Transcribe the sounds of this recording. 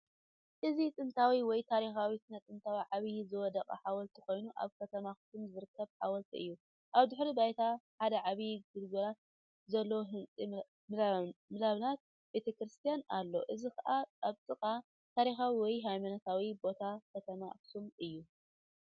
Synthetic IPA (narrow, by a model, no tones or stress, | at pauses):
ʔɨzit̪ʼɨnt̪ʰawiwɔjt̪ʰaɾixawisɨnɐt̪ʼɨnt̪ʰawiʕaβjzɨwɔd̪ɐkʼɐ̰ħawɔlt̪ʰiko̞jnuʔa̰βkʰɐt̪ʰɐmaksumzɨɾɨkʰːɐβħa̰wɔlt̪ʰiɨ̰jːu | ʔaβd̪ɨħɾibajt̪ʰaħad̪ɐʕaβiɡɨlɡɐɾat̪̚ | zɐlːoɦɨnt͡sʼi | mmɨlaβɨnat̪̚ | be̞t̪ʰɐkɾɨst̪ʰijanalːo̞̰ʔɨzikʰɐʔaʔaβt̪ʼɨkʼa | t̪ʰaɾixawiwɔjɦajmanɐt̪ʰawibo̞t̪ʰakʰɐt̪ʰɐma̰ksumɨjːu